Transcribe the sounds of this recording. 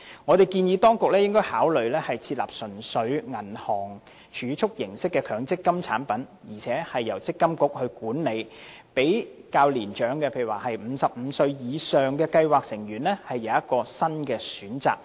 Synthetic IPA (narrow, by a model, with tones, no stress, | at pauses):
ŋɔː˨˧t̪e˨jkiː˧njiː˨˥t̪ɔː˥ŋkʊ˨k̚lɛ˥jɪ˥ŋkɔː˥jhaː˨˥wlɵ˨ɥlɛː˥hɐ˨jt͡sʰiː˧t̚laː˨p̚sɵ˨˩nsɵ˨˥ɥŋɐ˨˩nhɔː˨˩ŋ | t͡ʃʰyː˨˧˥t͡ʃʰʊ˥k̚jɪ˨˩ŋsɪ˥kːɛː˧kʰœː˨˧ŋt͡sɪ˥kːɐ˥mt͡sʰaː˨˥npɐ˨˥njiː˨˩t͡sʰɛː˨˥hɐ˨jːɐ˨˩wt͡sɪ˥kːɐ˥mkʊ˥k̚hɵ˧ɥkuː˨˥nle˨˧j | pe˨˥jkaː˧wliː˨˩nt͡ʃœː˨˥ŋkɛː˧pʰe˧˩˥waː˨˩hɐ˨jm̩ː˨˧sɐ˨p̚m̩˨˧sɵ˧ɥjiː˨˧sœː˨ŋkɛː˧kɐ˧jwaː˨k̚sɪ˨˩ŋjyː˨˩nlɛː˥hɐ˨jːɐ˨˧wjɐ˥t̚kɔː˧sɐ˥nkɛː˧syː˨˥nt͡sa̰ː˨k̚